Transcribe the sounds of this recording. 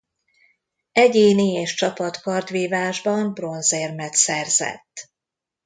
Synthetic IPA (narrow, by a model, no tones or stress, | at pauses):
ɛɟeːnieːʃt͡ʃɒpɒt̪kɒrd̪ʋiːvaːʒbɒmbro̞nzeːrmɛt̪sɛrzɛ̰t̪ː